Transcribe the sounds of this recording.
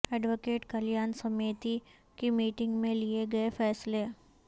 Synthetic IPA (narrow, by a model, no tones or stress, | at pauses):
ɛːɖʋokeːʈkɐljaːnsɐmeːt̪i | kimiːʈɪ̃ŋɡmẽlieɡɐefɛːsle